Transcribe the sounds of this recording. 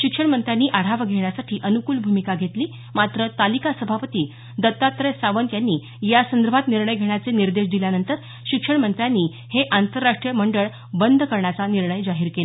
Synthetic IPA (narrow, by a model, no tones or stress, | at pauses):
ɕikʂəɳmənt̪ɾjanːiːʔaɽ̤aʋɡʱeɳjasaʈʰiːʔənukuːlbʱumikaɡʱet̪liː | mat̪ɾət̪alikasəbʱapət̪iː | d̪ət̪ːat̪ɾəsaʋənt̪janːiː | jasənd̪əɾbʱat̪niɾɳəjɡʱeɳ̃jat͡seniɾd̪eʂ̬d̪iljanənt̪əɾ | ɕikʂəɳmənt̪ɾjanːiː | heʔant̪əɾːaʂʈɾijəməɳɖəɭ | bənd̪ʱkəɾɳjat͡saniɾɳəjd͡zaɦiːɾkela